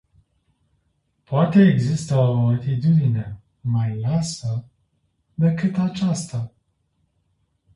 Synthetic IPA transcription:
poat̪e̞ːɡzist̪əoat̪it̪ud̪ine̞ | majlasə | d̪e̞kɨt̪at͡ʃast̪a

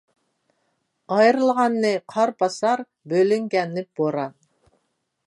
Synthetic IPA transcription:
ɑjɾɨlˠʁɑnːɨqʰɑɾpʰɑsɑɾ | bølyŋɡʲɛnːɪb̥oɾɑn

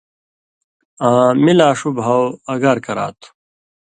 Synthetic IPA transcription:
ãːmilaːʂubɦɐwɐɡaɾkɐɾa̰ːt̪ʰu̥

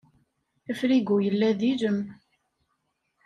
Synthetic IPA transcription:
əfɾiɡujəlːæðid͡ʒəm

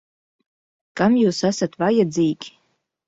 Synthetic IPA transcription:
kamjuːsasat̪vajɛd͡ziːɡʲi

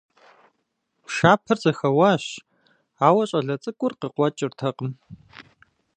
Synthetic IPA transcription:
ʃaːpʰɐrzɐxɐwaːɕ | aːwɐɕʼɐɮɐt͡sʼɨkʷʼʊrqəqʷɔt͡ʃʼɪrtʰɐqəm

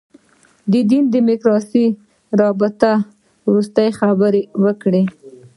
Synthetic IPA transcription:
d̪əd̪ind̪əmɪkɾɑsi | ɾɑbɪt̪a | wɾust̪ajxabəɾewəkɽe

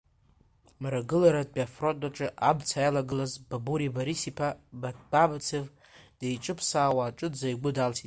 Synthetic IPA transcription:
mɾaɡɨlaɾad̚biafrotʼaʈ͡ʂʼɨʔabt͡sʰajalaɡɨlazbabuɾibaɾisipʰabababt͡sʰɨv | d̥ejʈ͡ʂʼɨpʰsaːwaːʈ͡ʂʼɨd͡zaiɡʷʊdalsʰitʼ

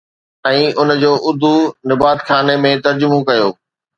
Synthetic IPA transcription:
ɛ̃ːʊnd͡ʑoːʔʊd̪ʱunɪbaːt̪xaːnemẽt̪ɐɾd͡ʑʊmõkɐjoː

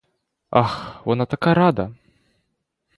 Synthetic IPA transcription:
axvɔnat̪akajɐɾad̪ɐ

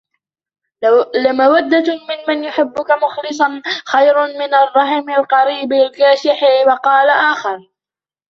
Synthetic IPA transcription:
lɪmawad̪ːamɪnmanjʊħɪbːʊkamʊxlɨs̬ˤɑnxajɾmɪnarˤːɑhɪmalqɑɾiːblkaːʃɪħɪwɑqɑːlaʔaːxɑɾˤ

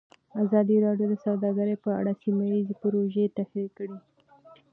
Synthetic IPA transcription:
azɑd̪iɾɑɖjod̪əsawd̪ɑɡəɾəjpəa̰ɽasimajizepʊɾoʒet̪axɾikəɽi

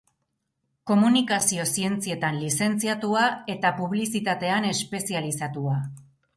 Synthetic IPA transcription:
ko̞munikasio̞sie̞nt͡sie̞t̪anlise̞nt͡siat̪uae̞t̪apuβ̞lisit̪at̪e̞ane̞spe̞sialisat̪ua

